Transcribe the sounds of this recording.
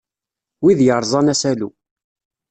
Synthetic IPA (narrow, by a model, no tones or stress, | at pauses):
wiðjəɾˤzˤɑnæsælu